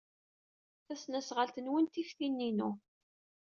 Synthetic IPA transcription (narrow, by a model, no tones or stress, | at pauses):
θæsnæsʁəlt̪ənwənt̪ifθinːinu